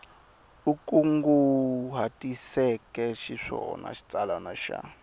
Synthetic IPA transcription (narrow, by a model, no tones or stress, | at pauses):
ukʼuŋɡuɦatʼisɛkʼɛʃiʂɔna̰ʃi̥t͡sʼalanaʃa̰